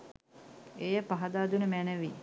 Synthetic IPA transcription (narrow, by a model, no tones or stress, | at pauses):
ejəpaɦɐd̪aːd̪unəmænəʋiː